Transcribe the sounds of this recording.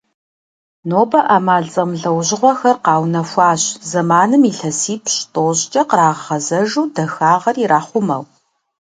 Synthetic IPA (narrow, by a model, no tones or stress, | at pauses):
noːbɐʔaːmaːɮt͡sʼɐmɮɐwʑɪʁʷɔxɐrqɑːwnɐfʷɑːɕzɐmaːnɨmiːɬɐsiːpʰɕtʼoːɕt͡ʃʼɐqəɾaːʁχɐzɐʒuːdɐxaːʁɐriɾaːχʷʊmɐ̰w